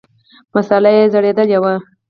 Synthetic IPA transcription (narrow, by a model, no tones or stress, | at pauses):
masalajezaɽed̪əljawa